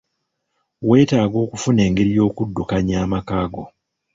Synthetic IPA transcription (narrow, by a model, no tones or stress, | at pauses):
we̞ːtaːɡo̞ːkufune̞ːŋɡe̞ɾijo̞ːkudːukaɲaːmakaːɡo̞